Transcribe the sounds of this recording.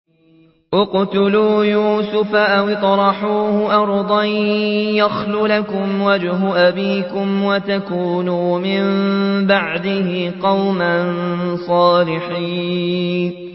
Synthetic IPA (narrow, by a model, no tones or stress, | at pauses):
ʔʊqt̪ʊluːjuːsʊfaʔawt̪ˤɾˤɑħuːhʊʔɑɾˤd̪ˤɑjjaxluːlakʊmwad͡ʒɦʊʔabiːkʊmwat̪akuːnuːmɪmbaʕd̪ɪhɪqɑwmansˤɑːlɪħiːnn